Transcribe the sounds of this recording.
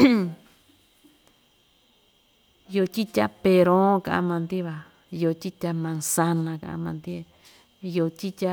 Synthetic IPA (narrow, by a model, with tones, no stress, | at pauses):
jo˧t͡ʃʲi˦t̪ʲa˦pe˧ɾõ˦kã̰˧ʔã̰˧mã˧nd̪i˦βa˧ | jo˧˨t͡ʃi˦t̪ʲa˧mã˧nsa˧nã˧kã̰˧ʔã̰˧mã˧nd̪i˦˧ | jo˧t̪ʲi˦t̪ʲa˦